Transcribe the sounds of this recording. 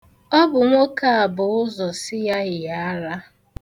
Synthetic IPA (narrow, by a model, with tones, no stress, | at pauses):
ɔ˦bʊ˨ŋʷo˦ka˦a˨bʊ˨ʊ˦zɔ˨sɪ˦ja˦ɣɪ˨ja˦a˦ɾa˦